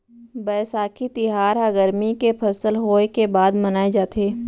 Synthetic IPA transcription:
bɛːsaːkʰit̪ɪɦaːɾɦəɡəɾmikepʰɐsəlɦoːekebaːd̪mənaːed͡ʒaːt̪ʰeː

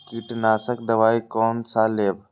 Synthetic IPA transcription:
kiʈnaːsək̚d̪ɐʋaːikoːnsaːleːb

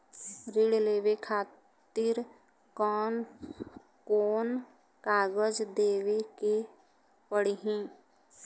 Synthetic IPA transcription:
ɾɪɽleːʋekʰaː | t̪ɪɾ | kɔːn | koːn | kaːɡəd͡ʒd̪eːʋeke | pəɽiɦɛ̃ː

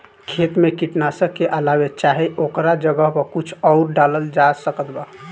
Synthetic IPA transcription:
kʰet̪mekiʈnasəkeʔəlawet͡ʃaɦiʔokɾad͡ʒəɡəɦpəkut͡ʃʰɔʊɾɖaləld͡ʒasəkət̪ba

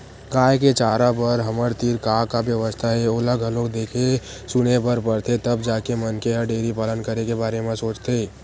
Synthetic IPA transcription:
kaːjket͡ʃaːɾabəɾɦəməɾt̪iɾkaːkabjəʋəst̪ʰaɦɛoləɡʱəloɡd̪eːkʰe | sʊnebəɾpəɾt̪ʰet̪əbd͡ʒaːkemənkeɦəɾɖeːɾipaːlənkəɾekebaːɾemẽsoːt͡ʃt̪ʰeː

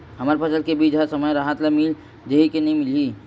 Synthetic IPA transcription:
ɦəməɾpəsəlkebid͡ʒɦəɾsəməjɾaɦət̪lamil | d͡ʒəɦikenəĩmɪli

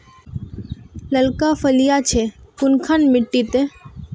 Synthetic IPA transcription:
ləlkafəlijat͡ʃʰekʊnkʰanmɪʈːit̪ẽ

